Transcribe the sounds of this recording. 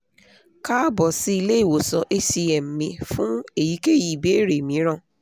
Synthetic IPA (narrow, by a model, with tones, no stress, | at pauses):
ka˦bɔ˨si˦i˧le˦i˦˨wo˨sɔ˧ʔe˧si˧ɛ˨m̩˨mĩ˧˦fũ˦e˦˨ji˨˦ke˦˨ji˨be˨˦˨ɾe˨mĩ˨˦ɾ̃ã˦˨